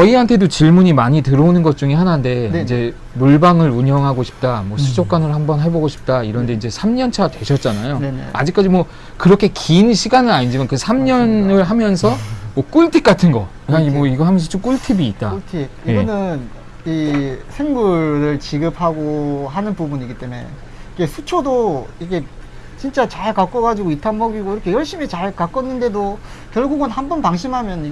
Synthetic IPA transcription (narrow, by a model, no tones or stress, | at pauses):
kʌiɦantʰe̞dot͡ɕiɭmuɲimaɲitɯɾʌonɯnɡʌt̚t͡ɕ͈uŋiɦanande̞ind͡ʑe̞ | muɭbaŋɯɾuɲjʌŋɦaɡoɕʰi̥p̚t͈amwʌsʰud͡ʑok͈̚anɯɭɦambʌnɦaɭbʌɡoɕʰi̥p̚t͈aiɾʌnde̞ind͡ʑe̞sʰamɲʌnt͡ɕʰatwe̞ɕʰʌt̚t͡ɕ͈anajo̰a̰d͡ʑik͈ad͡ʑimwʌ | kɯɾʌkʰe̞kinɕʰiɡanɯɾaɲind͡ʑimankɯsʰamɲʌnɯɭɦamjʌnsʰʌmwʌk͈uɭtʰik͈̚atʰɯnɡʌ̰kɯaimwʌiɡʌɦamjʌns̬ʰʌt͡ɕ͈omk͈uɭtʰibiːt̚t͈a̰ɭtʰiieɡʌnɯn | isʰeŋbuɾɯɭt͡ɕiɡɯp̚ʰhaɡoɦanɯnpubuɲiɡit͈e̞me̞̰ | ike̞sʰut͡ɕʰodoikʰe̞ | t͡ɕint͡ɕ͈at͡ɕaɭkak͈ʌɡad͡ʑiɡoitʰanbʌɡiɡoiɾʌkʰe̞jʌɭɕ͈imit͡ɕaɭkak͈ʌnːɯnde̞do | kjʌɭɡuɡɯnhanbʌntaŋɕ̬ʰimɦamjʌn